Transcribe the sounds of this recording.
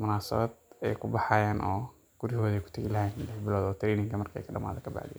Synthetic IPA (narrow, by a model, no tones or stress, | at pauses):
mʊnaːsɐ̰βɐd̪ɛjkʰʊbɑħɑjaːnʔɔː | ɡ̥ʊɾɪhɔːðɛjkʰʊ̥t̪ʰɐɣilɐɦlɛħbɪlɔːd̪ɔːt̪ʰɾɛːnɪŋkʰɐmɐrkʰːɛ̰jkʰɐɖɐma̰ːðɛkʰɐba̰ʕd̪ija̰